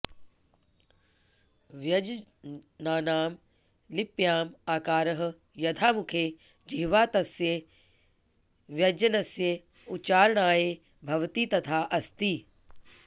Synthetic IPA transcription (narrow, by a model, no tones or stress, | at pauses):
ʋjɐd͡ʒ | naːnaːm | lɪpjaːmaːkaːɾəɦə̆ | jɐd̪ʰʱaːmʊkʰeːd͡ʑiːʋaːt̪ɐsje | ʋjɐd͡ʒɐnɐsje | ʊt͡ʃaːɾɽ̃aːeː | bʱɐʋt̪iːt̪ɐt̪ʰaːʔɐst̪iː